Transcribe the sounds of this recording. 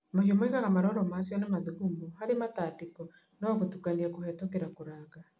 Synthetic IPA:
mohiɔmoeɣaɣamaɾɔɾɔmaːsjɔnamaðuɣumuhaɾemataːtikɔ | nowaɣotukaniakohɛtɔkeɾakoɾaːɣa

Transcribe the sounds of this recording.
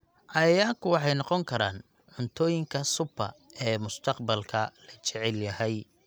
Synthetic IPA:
ʔɑjaːkʰʊwɑħɑjnɑqɔŋkʰɐɾa̰ːn | ʕʊnt̪ʰɔːjɪŋkʰɐsʊbʰɐ̰ɛːmʊst̪ʰɐqbɐlkʰɐlɐt͡ʃɛʕɛljɐhɛj

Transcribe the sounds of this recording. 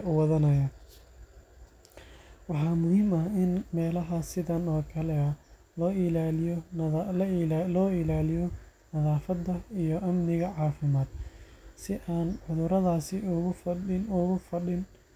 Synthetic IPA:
ʊwɑðɐnɐjɐ | wɑħɑːmʊhiːmɐhɪnmɛːlɐɦɐsɪðɐnɔːkʰɐlɛɐ | lɔːɪlaːlɪjɔ | lɔːɪlaːlɪjɔnɐðaːfɐd̪ːɐijɔʔɐmnɪɣɐʕɑːfɪmaːd̪sɪʔaːnʕʊðʊɾɐðaːsɪʊɣʊɪnʊɣʊfɐɗɪn

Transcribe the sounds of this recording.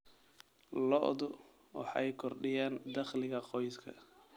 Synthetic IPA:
lɔ̰ʔðʊ | wɑ̰ħɛjkʰɔrɖɪjaːnd̪ɐχlɪɣɐqɔjskʰɐ̰

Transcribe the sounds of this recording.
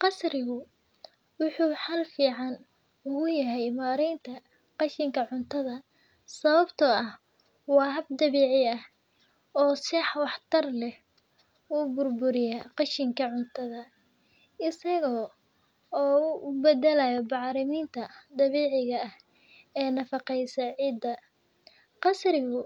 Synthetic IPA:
qɑsrɪɣʊ | wʊħuːħɐlfiːʕɑn | ʊɣʊjɐɦɛjmaːɾɛjnt̪ʰɐ | qɑʃɪŋkʰɐʕʊnt̪ʰɐðɐ | sɐβɐbt̪ʰɔɐh | wɑːɦɐb̚d̪ɐβɛːʕɪɐh | ɔːsɛħwɑħt̪ʰɐrlɛh | uːbʊrbʊɾɪjaqɑʃɪŋkʰɐʕʊnt̪ʰɐðɐ | ɪsɐɣɔː | ɔːʊbɛd̪ɛlɐjɔbɑʕɾɪmiːnt̪ʰɐd̪ɐβɛːʕɪɣɐːh | ɛːnɐfɑqɛjsɐʕiːd̪ːɐ | qɑsrɪɣʊ

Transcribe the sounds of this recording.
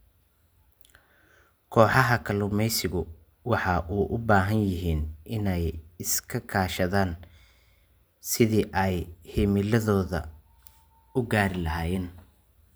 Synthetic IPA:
kʰɔːħɑɦɐkʰɐlʊmɛjsɪɣʊ | wɑħɑːʔuːʔʊbaːɦɐnjɪɦiːnʔɪnɛjɪskʰɐkʰaːʃɐðaːn | sɪðiːʔɛjhɪmɪlɐðɔːðɐ̰ | ʊɡaːɾɪlɐɦaːjɛːn

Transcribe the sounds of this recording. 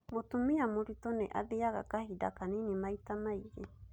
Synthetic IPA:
mot̪umiamoɾit̪oneʔa̰ðeaɡa̰kahida̰kaninimait̪amajɾe

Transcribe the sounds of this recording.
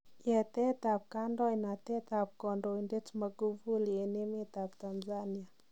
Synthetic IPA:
ɛtɛt̪ap̚kandɔinatɛt̪ap̚kɔndɔindetmaɡuvulienemet̪aptanzania

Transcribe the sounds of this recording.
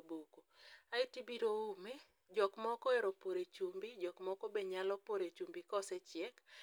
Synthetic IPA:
bokoaɪtibiɾoume | d͡ʒɔkmɔkɔeɾopoɾet͡ʃumbid͡ʒɔkmɔkɔbeɲalɔpoɾet͡ʃumbikɔsɛt͡ʃjɛk

